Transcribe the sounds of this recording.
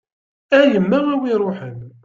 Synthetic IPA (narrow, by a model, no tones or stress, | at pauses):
æjəmːæʁæwiɾˤʊħən